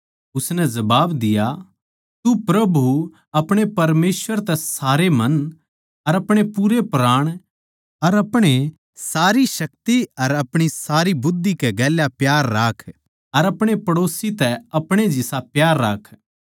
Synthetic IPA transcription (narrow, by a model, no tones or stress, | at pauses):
ʊsnɛzɐbaːbd̪ɪja | t̪upɾɐbʱu | ɐpɽ̃epɐɾmeːsʋəɾt̪ɛsaːɾemɐ̃n | ɐɾɐpɽ̃epuːɾepɾaːɽ̃ | ɐɾɐpɽ̃e | saːɾiʃɐk̚t̪iɐɾɐpɽ̃isaːɾibʊd̪ːikɛɡɛːljapjaːɾːaːkʰ | ɐɾɐpɽ̃epɐɽoːsit̪ɛɐpɽ̃ed͡ʒɪsapjaːɾːaːkʰ